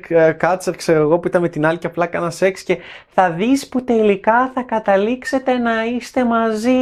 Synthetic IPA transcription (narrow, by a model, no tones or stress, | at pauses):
kɐt͡sɐɾkseɾɐɣo̞puit̪ɐnme̞t̪inɐliceɐplɐkɐnɐse̞ksce̞θɐðisput̪e̞likɐθɐkɐt̪ɐlikse̞t̪e̞nɐist̪e̞mɐzi